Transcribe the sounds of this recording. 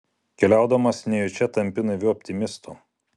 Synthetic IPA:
kʲɛlʲæˑʊd̪ɐmɐsnʲɛjɔt͡ʃʲɛt̪ɐmʲpʲɪnɐʋʲɪɔpʲt̪ʲɪmʲɪst̪uˑ

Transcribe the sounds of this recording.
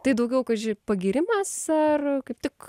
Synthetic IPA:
t̪ɐɪd̪ɐʊɡʲɛʊkɐʒʲɪpɐɡʲiːɾʲɪmɐsɐrkɐɪp̚t̪ʲɪk

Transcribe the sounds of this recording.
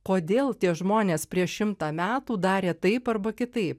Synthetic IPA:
koːd̪ʲeːlˠt̪ʲiɛʒmoːnʲeːspʲɾʲiɛʃʃʲɪmt̪ɑːmʲæːt̪uːd̪ɑːɾʲeːt̪ɐɪpɐrbɐkʲɪt̪ɐɪp̚

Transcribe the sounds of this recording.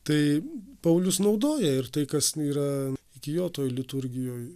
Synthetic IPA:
t̪ɐɪpɐʊlʲʊsnɐʊd̪oːjɛɪrt̪ɐɪkɐsiːɾɐɪkʲɪjoːt̪oːjlʲɪt̪ʊɾʲɡʲɪjoːj

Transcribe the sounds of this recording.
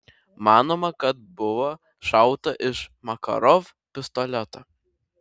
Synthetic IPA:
mɑːnoːmɐkɐt̪̚bʊʋoː | ʃɑʊt̪ɐʔɪʃmɐkɐ̰ɾɔf | pʲɪst̪ɔlʲɛt̪ɐ

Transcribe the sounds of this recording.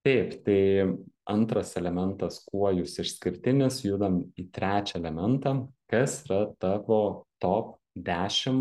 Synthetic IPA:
t̪ʲɛɪpt̪ɐɪɐnt̪ɾɐsɛlʲɛmʲɛnt̪ɐskuɔjʊsɪʃsʲkʲɪɾʲt̪ʲɪnʲɪsjuːd̪ɐmiːt̪ʲɾʲæːt͡ʃʲɛɛlʲɛmʲɛnt̪ɑːkɐsiɾɐt̪ɑʋoːt̪oːp | d̪ʲæːʃʲɪm

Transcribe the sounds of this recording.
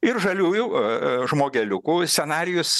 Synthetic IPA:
ɪrʒɐlʲuːjʊʒmoːɡʲɛlʲʊkuːsʲɛnɑːɾʲɪjʊs

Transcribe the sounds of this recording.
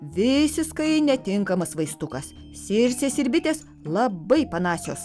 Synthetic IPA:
ʋʲɪsʲɪʃkɐɪnʲɛt̪ʲɪŋkɐmɐsʋɐɪst̪ʊkɐs | sʲɪɾʲsʲeːsɪɾʲbʲɪt̪ʲeːs | lˠɐbɐɪpɐnɑːsʲoːs

